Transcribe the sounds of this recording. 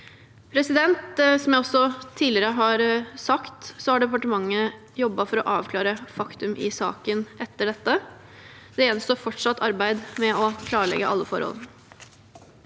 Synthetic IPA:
pʰɾɛsɪd̪ɛnt̪sɔmjæɪɔsːɔt̪ʰiːlɪɾəɦɑɾsɑkt̪sɔhɑɖɛpɑʈəmɑŋːə | jɔbːɑfɔɾɔʔɑːʋkʰlɑːɾəfɑkt̪ʉmʔɪ̰sɑ̰ːkənʔɛt̪ːəɖɛt̪ːə | d̪ɛɛnst̪oːfɔʈʂɑt̪ʰːɑɾbæɪd̪mɛɔkʰlɑːɭɛ̰ɡːəʔɑ̰lːəfɔ̰ɾhɔ̰ln

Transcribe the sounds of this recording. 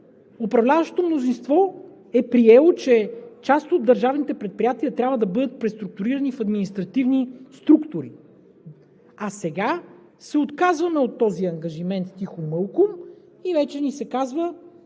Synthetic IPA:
ʊpɾɐvlʲavəʃt̪o̥t̪omnozinst̪vɔ | ɛpɾiɛlˠot͡ʃɛt͡ʃast̪od̪̚d̪ɐɾʒavnit̪ɛpɾɛt̪̚pɾijat̪iət̪ɾʲabvəd̪ɐbɤd̪ət̪̚pɾɛst̪ɾuk̚t̪ʊɾiɾɐnifɐd̪minist̪ɾɐt̪ivnist̪ɾukt̪ʊɾi | ɐsɛɡa | sɛot̪kazvɐnəot̪ːɔziɐŋɡɐʒimɛnt̪t̪ixomɤlˠkʊm | ivɛt͡ʃɛnisɛkazvə

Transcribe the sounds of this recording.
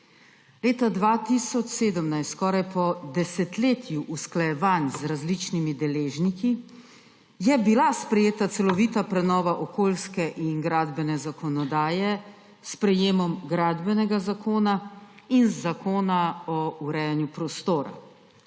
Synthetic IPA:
leːt̪ad̪ʋat̪isɔt͡ʃseːd̪əmnajst̪kɔːɾajpɔd̪ɛsɛt̪leːt̪ʰjuʔusklajɛʋanzɾazlit͡ʃnimid̪ɛleːʒniki | jɛbilaspɾɛjeːt̪at̪sɛlɔʋiːt̪apɾɛnɔːʋaʔɔkoːlskɛʔinɡɾaːd̪bɛnɛzakɔnɔd̪aːjɛ | spɾɛjeːmɔmɡɾaːd̪bɛnɛɡazakʰoːnainzakoːnaɔuɾɛjanjupɾɔst̪oːɾa̰

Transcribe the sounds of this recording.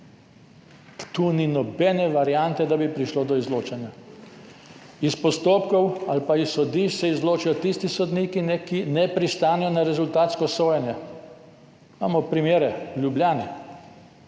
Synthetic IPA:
t̪uːninɔbɛnɛʋaɾjant̪ɛd̪abipɾiʃloːd̪ɔizloːt͡ʃɛnja | ispɔst̪oːpkɔwalpaissɔd̪iʃsɛizloːt͡ʃijɔt̪ist̪isɔd̪niːkinɛkinɛpɾist̪aːnɛjɔnaɾɛzult̪aːt̪skɔsoːjɛnjɛ | ma̰ːmɔpɾimeːɾɛljubljaːnɛ

